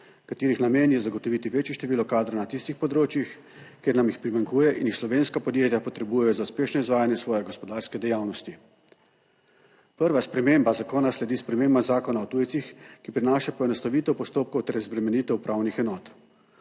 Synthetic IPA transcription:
kat̪iːɾixnameːnjɛzaɡɔt̪ɔʋiːt̪iʋeːt͡ʃjɛʃt̪ɛʋiːlɔkaːd̪ɾanat̪ist̪ixpɔd̪ɾoːt͡ʃjix | keɾnamjixpɾimaŋkuːjɛʔinixslɔʋeːnskapɔd̪jeːt̪japɔt̪ɾɛbujɛjɔzauspeːʃnɔizʋaːjanjɛsʋɔːjɛɡɔspɔd̪aːɾskɛd̪ɛjaːwnɔst̪i | pəɾʋaspɾɛmembazakoːnaslɛd̪ispɾɛmeːmbazaːkɔnaɔt̪uːjtsixkipɾinaːʃapɔɛnɔst̪aʋiːt̪ɛwpɔst̪oːp̚kɔwt̪ɛɾzbɾɛmɛniːt̪ɛupɾʔawnixɛnɔːt̪

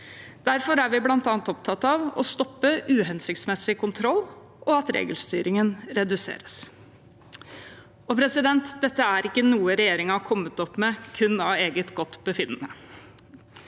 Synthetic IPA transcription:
d̪̥æɾfɔɾæɾʋɪblɑnt̪ɑːnt̪ɔp̚t̪ʰɑt̪ːɑʋɔ̰st̪ɔpːəʔʉːɦɛnsɪkt̪smɛsɪkʊnt̪ʰɾɔlː | ʔɔɑt̪ɾḛːɡəlst̪yːɾɪŋənɾɛd̪ʉsḛːɾəs | ɔpʰɾɛsɪd̪ɛnt̪d̪ɛt̪ːəæɾɪkːənuːəɾɛjeːɾɪŋɑɑkʰɔmːət̪ɔpːmɛkʰʉnːɑʋeːɡət̪ɡɔt̪ːbəfɪnːənə

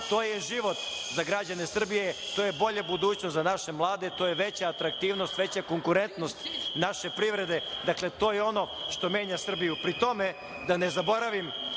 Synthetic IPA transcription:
t̪o̞ːjeʒiʋo̞t̪zaɡɾad͡ʑanesr̩bijet̪oːjebo̞ʎabud̪uːt͡ɕnost̪zanaʃe̞mlˠaːd̪e̞t̪ojeʋe̞t͡ɕaːt̪ɾak̚t̪iːʋnost̪ʋe̞t͡ɕakoŋkuɾe̞nt̪nost̪naʃe̞pɾiʋɾe̞d̪e̞d̪akle̞t̪o̞ːjeo̞no̞ʃt̪o̞me̞ːɲasr̩bijupɾit̪o̞me | d̪anezabo̞ɾaʋim

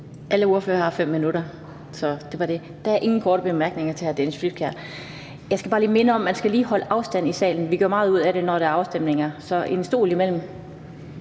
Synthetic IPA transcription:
ʔæləo̝ɐføːɐhɑ̈fem̰ːinuɾɐ | sɒ̽d̥e̝ʋɑ̈ɾ̥e̝ | d̥ɑ̈æɐʔe̝ŋn̩kʰɒːɾ̥əb̥emæɐɡ̥ne̝ŋɐt͡sʰe̝hæɐd̥ensfyd̥̚kʰæɐ̰ | jɑɪsɡ̥æb̥ɑ̈ːliːme̝nəɒ̽mːænsɡ̥æliːhɒ̽ləʔɑ̈ʊsd̥æn̰isɛ̰ːln̩ʋiɡ̥øɐmɑ̈ːð̞̩ˠuð̞̰ˠæɾe̝nɒɾ̥eæɐɑ̈ʊsd̥em̰ne̝ŋɐsɒ̽ʔe̝nsd̥o̝̰ːlimel̰m̩

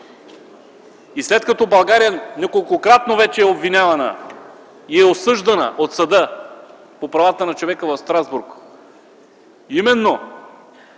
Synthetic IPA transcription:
islɛt̪kɐt̪ɔbɐlˠɡaɾijənʲakolˠkokɾat̪̚novɛt͡ʃɛɛobvinʲavɐnə̰ | iɛosɤʒd̪ɐnə̰ʔot̪sɐd̪ɤ | popɾɐvat̪ənɐt͡ʃovɛkəvɐfst̪ɾazbuɾk | imɛnːo

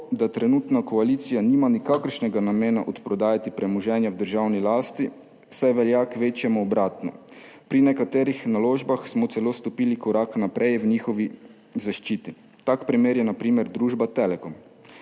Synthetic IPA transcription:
d̪at̪ɾɛnuːt̪nakɔaliːt̪sijaniːmanikaːkəɾʃnɛɡanameːnaʔɔt̪pɾɔd̪aːjat̪ipɾɛmɔʒɛːnjawd̪əɾʒawnilaːst̪i | sajʋɛljakʋeːt͡ʃjɛmuɔbɾaːt̪nɔ̰ | pɾinɛkat̪eːɾixnaloːʒbaxsmɔt̪sɛloːst̪ɔpiːlikɔɾaːknapɾʔɛjwɲiːxɔʋi | zaʃt͡ʃiːt̪i | t̪akpɾimeːɾjɛnapɾiːmɛɾd̪ɾuːʒbat̪eːlɛkɔm

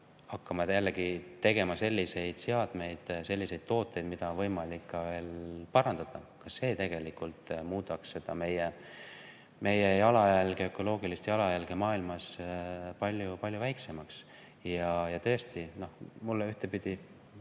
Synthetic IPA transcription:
hɑkːɑmɑjælːeɡ̥it̪e̞ɡ̥e̞mɑse̞lʲːise̞jd̪̥seɑd̪̥me̞jd̪̥se̞lʲːise̞jd̪̥̚t̪o̞ːt̪ːˑejd̪̥mid̪̥ɑnvɤjmɑlikːɑve̞ːlpɑɾɑnd̪̥ɑd̪̥ɑ̰kɑsːe̞ːt̪e̞ɡ̥e̞likult̪ˑmuːd̪ɑksːe̞d̪̥ɑme̞je | me̞jejɑlɑjælɡ̥eø̞kːˑo̞lo̞ːɡ̥ilist̪jɑlɑjælɡ̥emɑːilmɑspɑlʲjupɑlʲjuvæjkse̞mɑks | jɑjɑt̪ɤ̞ːst̪ino̞hmulːeyht̪epid̪̥i

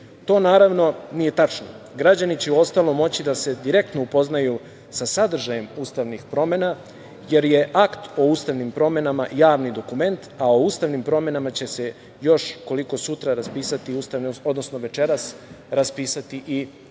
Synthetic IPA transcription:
t̪o̞ːnaːɾaʋno̞nije̞t̪at͡ʃno̰ | ɡɾad͡ʑanit͡ɕeuo̞st̪alo̞mo̞t͡ɕid̪ase̞d̪iɾe̞k̚t̪noupo̞znaju | sasad̪r̩ʒaje̞muːst̪aʋnixpɾo̞me̞na | je̞ɾje̞ʔakt̪o̞uːst̪aʋnimpɾo̞me̞namajaːʋnid̪o̞kume̞nt̪aoust̪aʋnimpɾo̞me̞namat͡ɕe̞se̞ | jo̞ʃko̞liko̞sut̪ɾaɾaspiːsat̪iust̪aʋno̞d̪nosnoʋe̞t͡ʃe̞ɾas | ɾaspiːsat̪iʔi

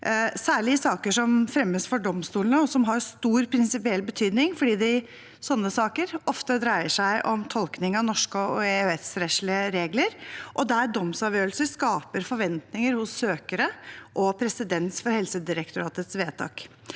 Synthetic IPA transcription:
sæːɭɪsɑːkəʂɔmfɾɛmːəsfɔɖɔmst̪uːlnəɔsɔmɦɑɾst̪uːɾpʰɾɪnsɪpɪɛlːbət̪ʰyːd̪nɪŋfɔɖiːd̪ɪ | sɔnːəsɑːkəɾɔft̪əd̪ɾæɪəʂæɪʔɔmt̪ʰɔlknɪŋɑnɔʂkəɔɛtsɾɛʂɭɪəɾeːɡləɾʔɔd̪æɾɖɔmsɑʋjøːɾəlsəskɑːpəɾfɔɾʋɛnt̪nɪŋəɾhʊsːøːkəɾəʔɔpʰɾɛsɪd̪ɛnsfɔɾhɛlsəd̪ɪɾəkt̪ʊɾɑːt̪ət̪sʋeːt̪ʰɑ̰ːk

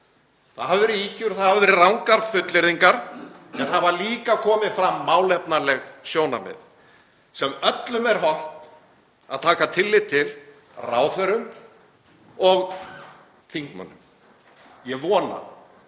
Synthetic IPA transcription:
θaðhavɪvɛːɾɪiːcʏɾθaðhavɪvɛːɾɪrawŋkaɾ̥fʏt̪lɪɾðiŋkaɾ̥ɛnθaðvaɾliːkakʰɔːmɪfɾamːaːwlɛpnalɛɣsjoːwna̰mɪ̰ð | sɛmœt̪lʏmɛɾ̥ɦɔl̥t̪ | a̰ðt̪ʰaːkat̪ʰɪlːɪt̪ʰɪl | raːwθœɾʏm | ɔɣ | θiŋkmœ̰nːʏ̰m | jɛvɔːna̰

